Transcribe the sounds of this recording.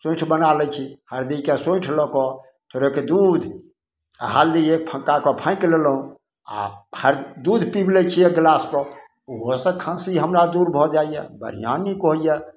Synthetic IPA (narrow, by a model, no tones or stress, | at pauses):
sõʈʰbənalɛt͡ʃʰihəɾd̪ikesõʈʰlɔkɔ | t̪ʰoɾeked̪ud̪ʱ | ɦald̪iepʰə̃kakɔpʰãĩklelɦũ | a̰həɾd̪ud̪ʱpiblɛt͡ʃʰijeɡlaskɔ | oɦɔsə̃kʰãsiɦəmɾad̪uɾbʱɔd͡ʒaijɛ̰bə̰ɾ̤ḭja̰nːikɔɦjɛ